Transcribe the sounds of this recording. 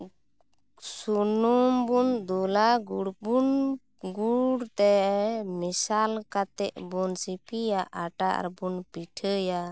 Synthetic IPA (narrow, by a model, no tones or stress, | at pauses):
sunumbund̪ulaɡuɽbun | ɡuɽt̪ɛmisalkat̪ɛʔbunsipijaʔaʈaʔa̰ɾbunpiʈʰəja